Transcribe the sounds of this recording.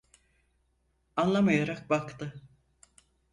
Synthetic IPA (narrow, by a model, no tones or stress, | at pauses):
anlˠamajaɾak̚bakt̪ɯ